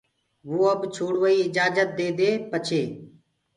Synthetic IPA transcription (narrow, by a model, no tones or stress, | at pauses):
ʋoːəbt͡ʃʰoːɽʋəiːɪd͡ʒaːd͡ʒət̪̚d̪eːd̪eːpət͡ʃʰeː